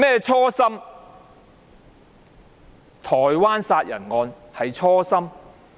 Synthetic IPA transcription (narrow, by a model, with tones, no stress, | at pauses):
mɛː˥t͡ʃʰɔː˥sɐ˥m | t̪ʰɔː˨˩jwaː˥nsaː˧t̚jɐ̰˨˩nŋɔː˨˧n | hɐ˨jt͡ʃʰɔː˥sɐ˥m